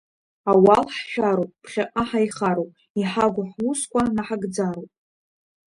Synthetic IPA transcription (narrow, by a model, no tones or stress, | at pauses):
awalħʃᶣaɾowpʼpʰχʲaqʼaħajχaɾowpʼ | iħaɡʷʊħwuskʷʼanaħaɡd͡zaɾowpʼ